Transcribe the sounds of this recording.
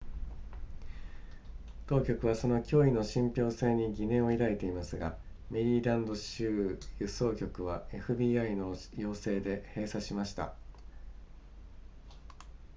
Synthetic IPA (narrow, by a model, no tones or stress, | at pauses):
t̪o̞ːkʲo̞kɯ̟β̞aso̞no̞kʲo̞ːino̞ɕĩmpʲo̞ːse̞ːɲ̟iɡʲinẽ̞ɰ̃o̞iɾaet̪e̞imasɨɡa̰ | me̞ɾʲiːɾãnd̪o̞ɕɨːjɯso̞ːkʲo̞kɯ̟β̞ae̞ɸɯ̟bʲiːaino̞jo̞ːse̞ːd̪e̞he̞ːsaɕimaɕi̥t̪a̰